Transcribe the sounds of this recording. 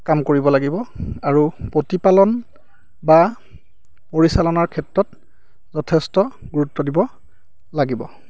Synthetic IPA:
kamkoɹibɔlaɡibɔaɹupotipalɔn | ba | poɹisalɔnaɹkʰɛtɹɔt | zɔtʰɛstɔɡuɹutːɔdibɔ | laɡibɔ

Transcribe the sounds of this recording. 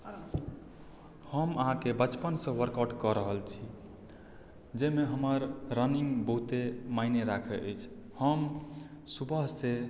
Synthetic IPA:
həməɦãkebət͡ʃpənsə̃ʋəɾkəʈkɔɾəɦəlt͡ʃʰi | d͡ʒemeɦəməɾːəniŋɡbəɦut̪emaineɾakʰeʔəjt͡ʃʰhəmsubʱəɦse

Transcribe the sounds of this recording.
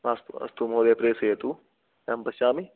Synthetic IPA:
asɐ̰st̪umɦoːd̪eːpɾeːsɐjɐt̪u | empɐʃaːmi

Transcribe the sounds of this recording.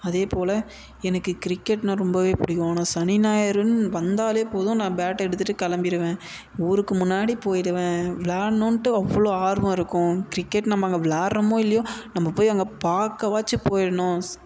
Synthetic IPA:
ɐðeːpoːlɐ | ɛnɐkːɯkɪɾɪkːɛʈːnɐ̃ɾɔmbɐʋeːpʊɽɪkːõːnɐ̃sɐnɪnaːjɐɾɯnʋɐnd̪aːleːpoːðʊ̃nãːbaːʈːɛɽɯt̪ːɯʈːɯkɐlɐmbɪɾɯʋẽː | uːɾɯkːɯmʊnːaːɽipoːjɪɽɯʋẽːʋɪlaːnõːnʈːɯɐʋːɐɭoːaːɾʋɐ̃ɪɾɯkːʊ̃kɪɾɪkːɛʈnɐmːɐŋɡɐʋɪlaːʈɾɐmõːɪlːɐjõːnɐmːɐpoːjʋɐŋɡɐpaːɾkːɐʋaːt͡ʃːɯpoːjɪɽɐɳʊ̃

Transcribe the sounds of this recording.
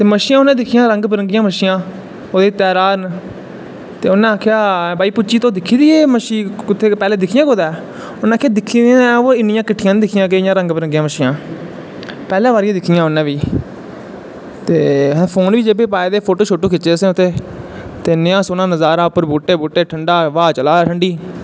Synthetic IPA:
t̪eːməʃijãːonãːd̪ɪkʰɪjãːɾəŋɡpəɾəŋɡɪjãːməʃijãː | oːd̪eːt̪ɛːɾaːn | t̪eːʊnãːaːkʰjaːbaːiːpʊt͡ʃiːt̪õːd̪ɪkʰːiːd̪iːeːməʃiːʊt̪ʰːeːpɛːleːd̪ɪkʰɪjãːkoːd̪ɛː | ʊnãːkʰejaːd̪ɪkʰːiːd̪oːɪnɪjãːkɪʈʰːɪjãːnːd̪ɪkʰɪjãːɡeːjãːɾə̃ŋɡpəɾə̃ŋɡɪjãːməʃiːãː | pɛːlãːʋaːɾɪjãːd̪ɪkʰːijãːʊnːãːʋiː | t̪eːɦpʰoːnʋiːd͡ʒeːbeːpaːeːd̪eːpʰoːʈoːt͡ʃʰoʈːõːkɪt͡ʃeːsẽʊt̪ʰːeː | t̪eːnɪãːsoːnãːnəzaːɾãːʊpːəɾbuːʈeːbuːʈeːʈʰəɳɖaːʋaːt͡ʃəlaːʈʰəɳɖiː

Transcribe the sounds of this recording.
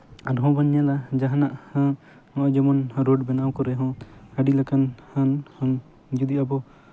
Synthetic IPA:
aɾɦɔ̃baɲːalad͡ʒaɦanaʔhã | hɔ̃ʔd͡ʒɛmɔnɾoɖbɛnawkɔɾɛɦɔ̃haɖilakanhanhɔ̃ŋ | d͡ʒud̪iabɔ

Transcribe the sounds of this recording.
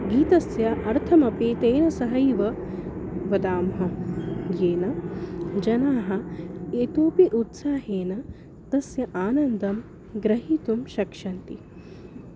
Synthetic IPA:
ɡiːt̪ɐsjaʔɐɾt̪ʰɐmɐpeːt̪eːnɐsɐɦɐjʋɐ | ʋɐd̪aːmɦɐjeːnɐd͡ʒɐnaːɦɐ̆eːt̪oːpiʔut̪saːɦeːnɐ | t̪ɐsjɐʔaːnɐnd̪ɐm | ɡɾɐɦiːt̪umʃɐkʂɐnt̪i

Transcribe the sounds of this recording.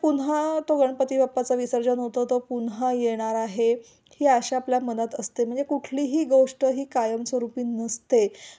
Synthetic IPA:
punɦat̪oɡəɳpət̪iːbapːat͡saʋisəɾd͡zənɦot̪ət̪opunɦajeɽ̃aɾaɦe | hiːaɕaapljamənət̪əst̪em̤əɳd͡zekuʈʰliːɦiːɡowʂʈəɦiːkajəmsʋəɾupiːnəst̪e

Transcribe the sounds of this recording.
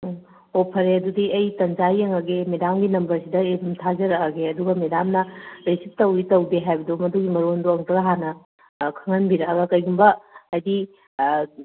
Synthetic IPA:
opʰɐɾeɐdudiɐjtɐnd͡ʒajɐŋɐɡemedamɡinɐmbɐɾsidɐedumtʰazɐɾɐkɐɡeɐduɡɐmedamnɐɾesip̚tɐwitɐwdeɦajbɐdumɐduɡimɐɾondoɐŋtɐɡɐɦanɐ | kʰɐŋɐnbiɾɐkɐɡɐkɐjɡumbɐːjdi

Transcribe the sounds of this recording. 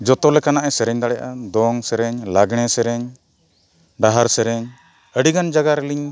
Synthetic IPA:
d͡ʒɔt̪ɔlɛkanaʔɛsɛɾɛɲd̪aɽɛjaʔad̪ɔŋsɛɾɛɲlaɡɽ̃ɛsɛɾɛɲ | ɖaɦaɾsɛɾɛɲ | əɖiɡand͡ʒaɡaɾɛliɲ

